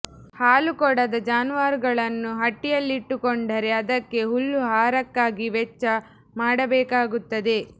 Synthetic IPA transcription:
haːlukɔɽɐd̪ɐd͡ʒaːnuʋaːɾɡɐɭɐnːuɦɐʈːijɐlːiʈːukoɳɖɐɾe̞ɐd̪ɐkːe̞ɦulːuɦaːɾɐkːaːɡiʋɛt͡ʃːɐ | maːɽɐbɛːkaːɡut̪ːɐd̪e̞

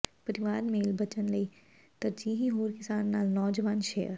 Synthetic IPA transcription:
pɐɾɪʋaːɾmeːlbɐt͡ʃənlɐi | t̪ɐɾd͡ʒiːɦiɦoːɾkɪsaːnːaːlnɔːd͡ʒəʋaːnʃḛːjə̰ɾ

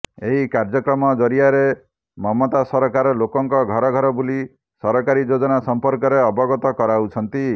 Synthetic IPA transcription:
eɦikaɾd͡ʒɔkɾɔmɔd͡ʒɔɾiaɾe | mɔmɔt̪asɔɾɔkaɾɔlokɔŋkɔɡʱɔɾɔɡʱɔɾɔbuli | sɔɾɔkaɾid͡ʒod͡ʒɔnasɔmpɔɾkɔɾeɔbɔɡɔt̪ɔkɔɾaut͡ʃʰɔnt̪i

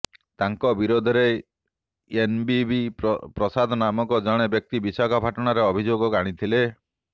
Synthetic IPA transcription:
t̪aŋkɔbiɾod̪ʱɔɾe | enbibipɾɔsad̪ʱɔnamɔkɔd͡ʒɔɽ̃ebjɔk̚t̪ibisakʰɔbʱaʈɔɽ̃aɾeɔbʱid͡ʒoɡɔkaɽ̃it̪ʰile

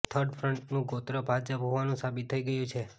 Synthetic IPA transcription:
t̪ʰəɾɖfʰɾəɳʈnũɡot̪ɾəbʱad͡ʒəpɦoʋanũsabit̪ʰːəiɡəjũt͡ʃʰe

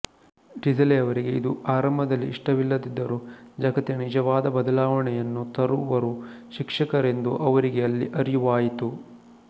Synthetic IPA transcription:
ɖizɐleɐʋɐɾiɡe̞id̪uaːɾɐmbʱɐd̪ɐlːiːʂʈɐʋilːɐd̪id̪ːɐɾud͡ʒɐɡɐt̪iɐnid͡ʒɐʋaːd̪ɐbɐd̪ɐlaːʋɐɳɛjɐnːut̪ɐɾuʋɐɾuʃikʂɐkɐɾe̞nd̪uʔɐʋɐɾiɡeɐlːiʔɐɾijuʋaːjit̪u

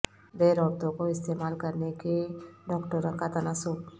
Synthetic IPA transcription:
d̪eːɾɔːbt̪õkoɪst̪eːmaːlkəɾnekeɖɔːkʈəɾə̃ŋkat̪ɐnasʊb

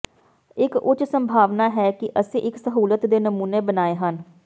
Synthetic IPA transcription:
ɪkʊt͡ʃsəmbʱaːʋnaːɦɛːkɪʔəsẽːʔɪksəɦuːlət̪d̪eːnəmuːneːbənaːeːɦən

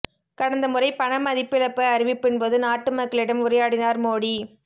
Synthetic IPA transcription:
kɐɽɐnd̪ɐmɯrɐɪpɐɳɐmɐðɪpːɪɭɐpːɐɐɾɪʋɪpːɪnpoðɯnaːʈːɯmɐkːɐɭɪɽɐmʊɾɐjaːɽɪnaːɾmoːɽi

